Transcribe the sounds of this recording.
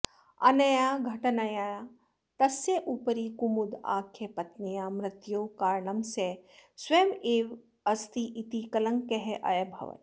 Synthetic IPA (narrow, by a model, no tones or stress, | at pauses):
ɐ̰nɐjaːɡʱɐʈɐnɐjaːja | t̪ɐsjeʔupəɾikumud̪a̰ːkʰjɐpɐt̪nijaːmɾɪt̪joːkaːɾɳɐmsesweːmeːʋ | ɐst̪iʔit̪ikɐlɐŋkɐɦeʔɐ̰jɐbʱɐ̰ʋɐ̰